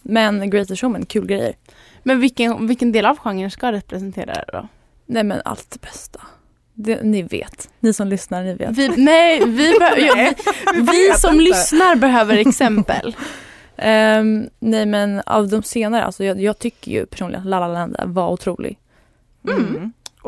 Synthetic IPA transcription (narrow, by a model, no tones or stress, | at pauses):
mɛnɡɾɛt̪əʂɔmɛnkʰʉ̟ːlɡɾɛjːə̰ɾ | mɛnvɪkəvɪlkːənd̪eːlavɧaŋːənʂkaɾɛpɾɛsɛnt̪ʰḛːɾa̰d̪ɛ̰d̪ɔ̰ | nɛjmɛ̰na̰lt̪̚d̪ɛb̥ɛst̪ʰḁ | d̪ɛ̰nɪvḛːt̪nɪsɔmlʏsnaɾnɪvḛːtɪnɛjvɪbɛj | vɪsɔmlʏsnaɾbɛɦøːvəɾɛksɛmpə̰l | nɛjmɛna̰vd̪ɔmseːnaɾəʔa̰lsɔjɑːjɑːɡ̚t̪ʰʏkːə̰jɵ̰pʰæ̥ʂuːnɪɡənlalːalɛnd̪ə̰vaɾʊt̪ʰɾuːlɪ̰ɡ